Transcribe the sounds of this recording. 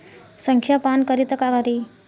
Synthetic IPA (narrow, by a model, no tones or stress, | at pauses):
səŋkʰjapankəɾit̪əkaɡaɾi